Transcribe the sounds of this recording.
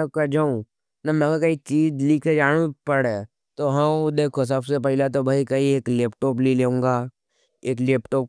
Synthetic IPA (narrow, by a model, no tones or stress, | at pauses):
kad͡ʒaːũ | nɐmɛ̃kaɾkɐit͡ʃiːd͡ʒliːkʰed͡ʒaːɽ̃upɐɽe | t̪oɦɐd̪eːkʰos̬ɐbsepɛɦɪlat̪̬obʱaikɐieːkleːpʈɔːp̬lileːũːŋɡaː | eːkleːpʈɔːp̚